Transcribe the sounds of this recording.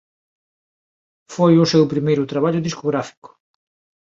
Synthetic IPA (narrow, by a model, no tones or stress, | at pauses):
fojʊsewpɾimejɾʊt̪ɾaβ̞aʎʊðiskoɣɾafi̥kʊ̥